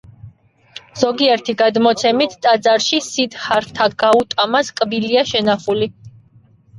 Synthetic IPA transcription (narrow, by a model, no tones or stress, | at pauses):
z̥ɔɡiɛɾt̪ʰiɡad̪mɔt̪sʰɛmit̪ʰt̪ʼad̪zaɾʃisit̪χaɾt̪ʰaɡaut̪ʼamaskʼbiliaʃɛnaχuli